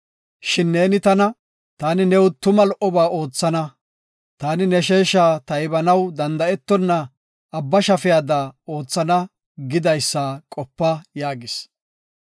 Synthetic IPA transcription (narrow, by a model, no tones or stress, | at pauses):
ʃɪnːe̞ːnɪt̪ɐnɐ | t̪aːnɪnɛwt̪ʊmɐlɔʔɔbaːo̞ːt͡sːɐnɐ | t̪aːnɪnɛʃeːʃaːt̪ɐjɪbɐnɐwd̪ɐnd̪ɐɛt̪ːɔnːɐ | ʔːbːɐʃɐfɪjaːd̪aːo̞ːt͡sːɐnɐ | ɡɪd̪ɐjsːaːkʼɔpːɐjaːɡɪs